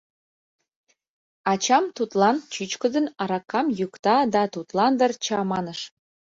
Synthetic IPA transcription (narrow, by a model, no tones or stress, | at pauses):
ɑt͡ɕɑmt̪ut̪lˠɑnt͡ɕyt͡ɕkə̆d̪ə̆nɑɾɑkːɑmjukt̪ɑd̪ɑt̪ut̪lɑnd̪ərt͡ɕɑmɑnəʃ